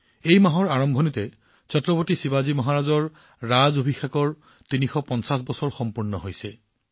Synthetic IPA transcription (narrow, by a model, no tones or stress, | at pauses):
ejmaɦɔɹaɹɔmbʱɔnitɛ | t͡ɕɔtɹɔbotisibazimɔɦaɹazɔɹ | ɹazobʱixakɔɹ | tinixɔpɔnsas̬bɔsɔɹxɔmpuɹnɔɦojsɛ